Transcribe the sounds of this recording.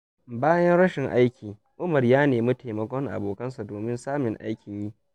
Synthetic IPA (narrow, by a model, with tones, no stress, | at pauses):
baː˦jɐ˦nɽɐ˦ʃɪ˨ŋʔa˦jkʲiː˨ | ʔʊ˦mɐ˨rjaː˦neː˨mʊ˦tʰeː˨mɐ˨kʷɔ˦ŋʔa̰˨boː˨kɐ˦ns̬a˨doː˨mɪ˦nsaː˦mɪ˨ŋʔa̰˦jkʲɪ˨jiː˦